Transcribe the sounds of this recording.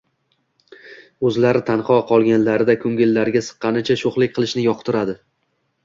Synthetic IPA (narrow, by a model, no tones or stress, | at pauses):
ɵzlaɾɪt̪ʰanqʰɒqʰɒlˠɡʲanlaɾɪd̪akʲʰɵŋɡʲɪlːaɾɡʲasɨ̥qːɑnɪt͡ʃʰaʃoχlˠɪk̚ʲqʰɨlˠɪʃnɪjɒqt̪ʊɾad̪ɪ